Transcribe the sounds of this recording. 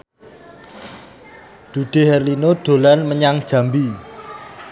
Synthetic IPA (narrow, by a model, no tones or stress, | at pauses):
d̪̥ṳɖ̥e̤ɦɛrlinoɖ̥o̤lanməɲaŋd̥ʒ̥ä̤mbi